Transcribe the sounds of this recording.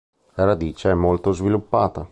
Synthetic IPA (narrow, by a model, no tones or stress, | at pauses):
laɾad̪iːt͡ʃeɛmːolt̪ozvilupːaːt̪a